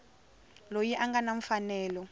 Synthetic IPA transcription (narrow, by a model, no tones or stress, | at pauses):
lojiʔaŋɡanaɱ̩fanɛːlɔ